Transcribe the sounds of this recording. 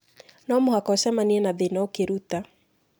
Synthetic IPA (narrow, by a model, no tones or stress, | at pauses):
nɔmuhakɔsɛmaniɛnaðenɔokeɾuta